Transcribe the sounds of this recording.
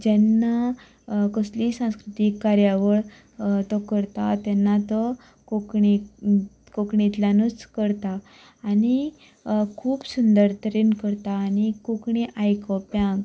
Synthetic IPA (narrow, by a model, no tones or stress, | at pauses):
d͡ʑɛnːa | kəslisãw̃skɾut̪ikːaɾjaʋəɭ | t̪ɔkəɾt̪at̪ɛnːat̪ɔ | kokɳi | kokɳit̪ljanut͡skəɾt̪aː | ni | kʰuːpsund̪əɾt̪ʰəɾinkəɾt̪aːnikokɳiʔajkɔpjãŋɡ